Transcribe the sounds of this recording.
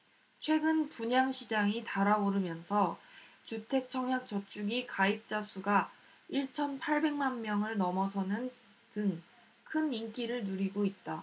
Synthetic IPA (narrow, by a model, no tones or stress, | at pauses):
t͡ɕʰwe̞ɡɯnpuɲaŋɕʰid͡ʑaŋitaɾaoɾɯmjʌnsʰʌt͡ɕutʰe̞k̚t͡ɕʰʌŋɦjak̚t͡ɕ͈ʌt͡ɕʰuɡikaip̚t͡ɕ͈asʰuɡa | iɭt͡ɕʰʌnpʰaɭbe̞ŋmanmjʌŋɯɭnʌmʌsʰʌnɯn | tɯŋ | kʰɯnink͈iɾɯɭnuɾiɡoit̚t͈a